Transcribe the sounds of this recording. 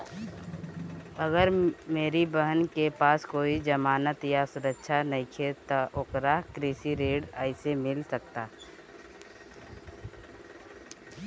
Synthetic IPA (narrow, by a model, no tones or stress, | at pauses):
ɐɡəɾmeːɾibəɦənkepaːskoːid͡ʒəmaːnət̪jasʊɾəkʃʰanɐɦĩkʰet̪oʔʊkɾaɦkɾeːsiɾeːɖaːɪsemɪlsək̚t̪aː